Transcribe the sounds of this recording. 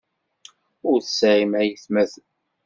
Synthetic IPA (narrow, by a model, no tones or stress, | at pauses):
ʊɾθsʕimæjiθmæð